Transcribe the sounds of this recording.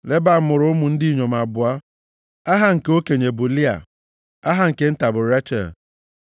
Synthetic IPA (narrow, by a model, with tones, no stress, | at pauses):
le˦ba˦˨˦mʊ˨ɾʊ˦ʊ˦mʊ˨n̩˦di˦i˨ɲo˨m˨a˨bʊ˨a˦ | a˦ɦa˦ŋ̩˨ko˦ke˨ɲe˨bʊ˨li˦a̰˨ | a˦ɦa˦ŋ̩˨ke˦n̩˦ta˨bʊ˨ɾa˦t͡ʃa̰˨